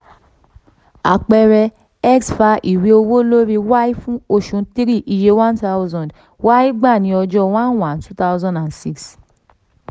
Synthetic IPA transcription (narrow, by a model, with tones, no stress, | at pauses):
a̰˨k͡pɛ˧ɾɛ˧ | ɛ˦ksfa˧ʔi˨wi˧o˧wo˦lo˦ɾi˧wa˦i˦fũ˦o˦˨ʃũ˨ti˦ɾi˦˨ʔi˧je˧wã˦nta˦wzɔ̃˨d | wa˦i˦ɡ͡ba˦˨nĩ˧ɔ˧d͡ʒɔ˧wã˦nwã˨ntu˦ta˦ʊzɔ̃˦˨nda˨nsi˦ks